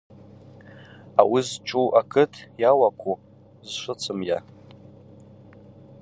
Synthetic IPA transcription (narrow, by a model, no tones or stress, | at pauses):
awizt͡ʃʷʰʼuʔakʰɨtʰjawakʷʰu | zʂʷʊt͡sʰɨmja̰